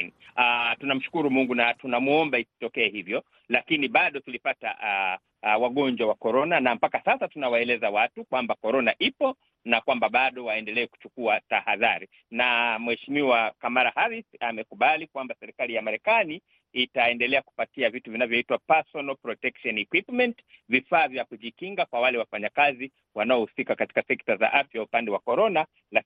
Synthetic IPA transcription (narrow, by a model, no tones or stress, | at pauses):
atunam̩ʃu̥kuɾumuŋɡunatunamuɔmbaisi̥tɔkɛɛhivjɔ | lakiniɓaɗɔkilipata̰ | waɠɔɲd͡ʒwawakɔɾɔnanampakasasatunawaɛlɛzawatukwambakɔɾɔnaʔipɔ | nakwambaɓaɗɔwaɛndɛlɛɛku̥t͡ʃukuatahaðaɾi | namwɛʃimiwakamaɾahaɾisamɛkuɓalikwambasɛɾikalijamaɾɛkaniː | taɛndɛlɛaku̥patiavituvinavjɔitwapasɔnalpɾɔtɛkʃɔnɛkwipmɛntvifaːvjakuʄikiŋɡakwawalɛwafaɲakazi | wanaɔhusikakati̥kasɛktaza̰ʔafjaupandɛwakɔɾɔna | la